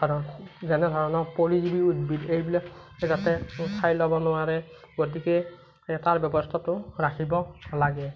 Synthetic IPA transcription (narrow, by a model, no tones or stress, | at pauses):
kaɹɔnzɛnɛdʱɔɹɔnɔɹpoɹizibiutbidejbilɛzatɛkʰajlɔbɔnʊwaɹɛ | ɡot̬ikɛ | taɹbɔbɔstʰatʊɹakʰibɔlaɡɛ